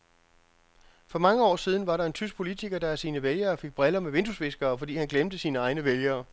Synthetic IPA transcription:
fɒ̽mɑ̈ŋəɒ̰ːsiːð̞ˠn̩ʋɑ̈ɾɑ̈e̝nt͡sʰys̬ɡ̥̚pʰo̝lit͡sʰiɡ̥ɐd̥ɑ̈æsiːnəʋeljɐːfe̝ɡ̥̚b̥ʁɛlɐmeʋe̝nd̥usʋe̝sɡ̥ɐːfɒ̽d̥ḭːhænɡ̥lemd̥əsiːnəɑ̈ɪnəʋeljɐː

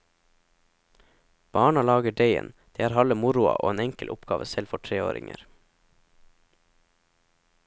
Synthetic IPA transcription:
b̥ɑːɳɑlɑːɡəɖeɪə̰nd̪̥eːæːɾhɑləmʊɾʊɑ̰ʔo̰ːeːnɛŋkəlʔʊpɡɑːʋəsɛlfɔʈʰɾeːo̰ːɾɪ̰ŋə̰ɾ

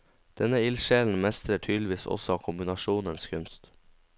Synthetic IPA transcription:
d̪̥ɛnəɪlʃeːln̩mɛst̪ɾəʈʰyːd̪lɪʋiːsɔ̰sɔɑːkʰʊmbɪnɑʃuːnənskʰʉnst̪

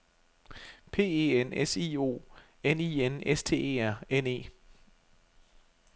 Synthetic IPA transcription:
pʰe̝̰ːḛenesiːo̝̰ː | enḭenest͡sʰe̝̰ːe̝̰ːæɐ̰ene̝̰ː

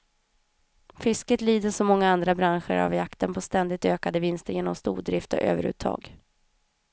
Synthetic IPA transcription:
fʏskət̪liːd̪əʂɔmɔŋːaand̪ɾabɾanɧə̰ɾa̰vjakt̪ənpʰɔst̪ɛnd̪ɪt̪øːkad̪əvɪnst̪əɾjeːnɔmst̪ṵːd̪ɾɪft̪ɔ̰ʔø̰ːvəɾʉ̰ːt̪ʰɑ̰ːɡ

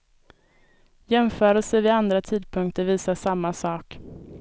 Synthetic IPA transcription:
jɛmfœːɾɔsɛvɪand̪ɾat̪ʰiːd̪pʰɵŋk̚t̪əɾviːsaʂamːasɑːk

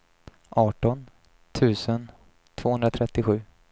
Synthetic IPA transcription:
ʔɑːʈɔn | t̪ʰʉ̟ːsən | t̪ʰv̥oːhɵnd̪ɾat̪ʰɾɛt̪ːɪɧʉ̟ː

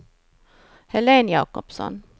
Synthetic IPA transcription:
hɛleːnjɑːkɔpsɔ̰n

